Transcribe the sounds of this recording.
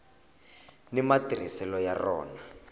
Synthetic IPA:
nimatirisɛlɔjarɔ̰ːna

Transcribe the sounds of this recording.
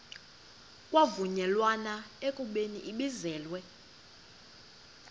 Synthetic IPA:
kʼwavuɲɛlwanaekʼuɓeniʔiɓizɛːlwɛ

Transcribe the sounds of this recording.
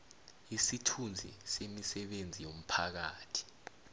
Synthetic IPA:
isitʰund͡zʱḭsemisɛɓend͡zʱijom̩pʰak̬aːtʰi̥

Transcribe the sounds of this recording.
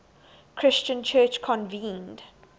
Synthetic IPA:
kʰɹ̥ɪst͡ʃə̃nt͡ʃʰɜt͡ʃkʰɔ̃nvĩːnd

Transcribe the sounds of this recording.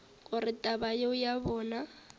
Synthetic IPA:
kʼʊrɪtʼabajeʊjaβɔːna

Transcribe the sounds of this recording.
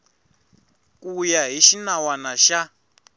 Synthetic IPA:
kujaɦiʃinawanaʃa

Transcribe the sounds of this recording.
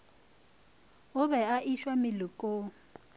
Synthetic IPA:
ʊβɛaʔiʃwamɪlʊkʼo

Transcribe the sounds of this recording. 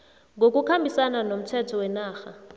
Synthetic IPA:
ŋɡʱok̬ʼukʰambʱisananom̩tʰɛtʰɔwɛnaːxa

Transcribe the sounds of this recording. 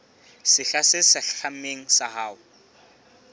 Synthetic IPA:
sɪɬasɪsɪɬam̩meŋ̩sahaːʊ

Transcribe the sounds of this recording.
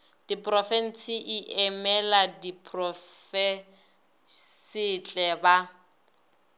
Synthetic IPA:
d̥ipʼrɔfɛn̩t͡siʔiʔɛmɛladipʼrɔfɛ | sɪt͡ɬʼɛba

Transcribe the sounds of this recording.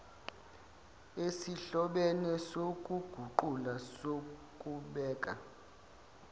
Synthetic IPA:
esiɬɔɓɛnɛsok̬ʼuɡ̥ʱuǃulasokʼuɓɛːkʼa̰

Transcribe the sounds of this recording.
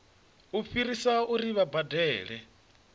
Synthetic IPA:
ufiɾisauɾiβabadɛːɺɛ

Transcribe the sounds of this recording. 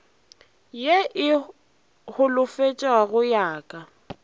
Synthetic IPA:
jeʔɪ | hʊlʊfet͡ʃʼaɣʊjaːkʼa

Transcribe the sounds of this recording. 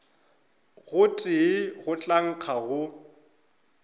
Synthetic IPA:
ɣʊtʼɪɣʊt͡ɬʼaŋ̩q͡χʰaɣʊ

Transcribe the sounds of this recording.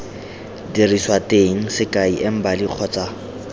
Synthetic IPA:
diriswateŋ̩sɪkaiʔɪm̩baliq͡χʰɔt͡sʼa

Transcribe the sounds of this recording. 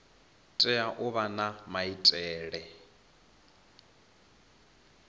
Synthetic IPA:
tʼɛaʔʊβanamaitʼɛːɺɛ

